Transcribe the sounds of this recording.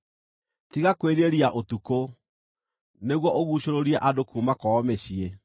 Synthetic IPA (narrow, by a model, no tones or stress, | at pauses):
tiɣakweɾeɾiaʔotuko | neɣwɔʔoɣuɕoɾoɾiɛʔadokuːmakɔːmeɕie